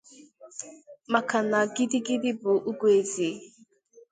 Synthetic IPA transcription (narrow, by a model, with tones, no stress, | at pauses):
ma˨ka˨na˨ɡi˦di˦ɡi˦di˦bʊ˨ʔu˦ɡʷu˦e˨zi˨˦